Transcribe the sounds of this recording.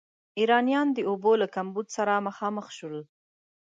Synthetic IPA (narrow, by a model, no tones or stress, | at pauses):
iɾɑnjɑnd̪əobolakambud̪saɾaməxɑməxʃəl